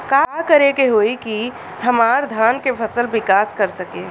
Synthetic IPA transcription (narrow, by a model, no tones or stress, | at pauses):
kakəɾekeɦoiki | həmaːɾd̪ʱaːnkepʰəsəlʋɪkaːskəɾsəke